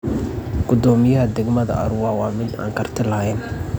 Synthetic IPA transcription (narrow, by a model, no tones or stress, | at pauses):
ɡ̥ʊd̪ɔːmɪjɐɦɐd̪ɛɡmɐðɐ̰ʔɐ̰ɾʊwɑwɑːmɪd̪a̰ːŋkʰɐrt̪ʰɪlɐɛn